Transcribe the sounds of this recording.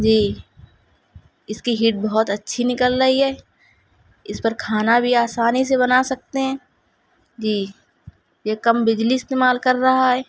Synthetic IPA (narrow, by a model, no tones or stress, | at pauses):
d͡ʒiː | ɪskiɦiːʈ̚bɐɦɔt̪ɐtːʃʰinɪkəlɾɐɦiɦɛː | ɪspɐɾkʰaːnabʱiaːsaːnis̬eβɐnasɐk̚t̪eɦɛ̃ː | d͡ʒiː | jekɐmbɪd͡ʒliɪst̪eːmaːlkɐɾːɐɦaɦɛː